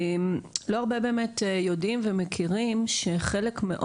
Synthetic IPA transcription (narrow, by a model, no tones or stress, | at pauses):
mlo̞aʁbebeːmetjodimvemekʰiʁimʃeχe̞lekmeʔo